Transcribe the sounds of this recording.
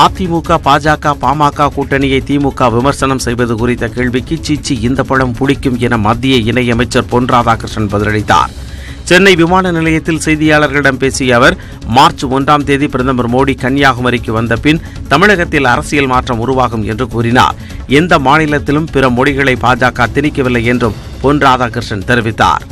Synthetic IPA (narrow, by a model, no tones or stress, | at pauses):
aːt̪ːimuːkaːpaːd͡ʒaːkːaːpaːmaːkːaːkuːʈːɐnɪjɐɪt̪iːmuːkaːʋɪmɐɾsɐnɐmsɛjbɐðɯkʊrɪt̪ːɐkeːɭʋɪkːɯt͡ʃiːt͡ʃːiɪnd̪ɐpːɐɻɐmpʊɽɪkːɯmɛnɐmɐd̪ːɪjɐɪnɐɪjɐmɐɪt͡ʃːɐɾponraːðaːkɐɾʂɐnbɐðɪlɐɽɪt̪ːa̰ːɾ | t͡ʃɛnːɐɪʋɪmaːnɐnɪlɐjɐt̪ːɪlsɛjðɪjaːɭɐɾɣɐɭɪɽɐmpeːsɪjɐːʋɐɾ | maːɾt͡ʃɯɔndraːmt̪eːðipɪɾɐðɐmɐɾmoːɽikɐɳjaːɣɯmɐɾɪkːɯʋɐnd̪ɐpɪn | t̪ɐmɪɻɐɣɐt̪ːɪlɐɾɐsɪjɐlmaːʈrɐmʊrʊʋaːɣɯmɛ̰ndrɯkuːrɪna̰ːɾ | ɛnd̪ɐmaːnɪlɐt̪ːɪlɯmpɪɾɐmɔɽɪɣɐɭɐɪpaːd͡ʒaːkaːt̪ɪnɪkːɐʋɪlːɐɪjɛndrɯm | poːnraːðaːkɪɾʂɐnt̪ɛɾʋɪt̪ːa̰ːɾ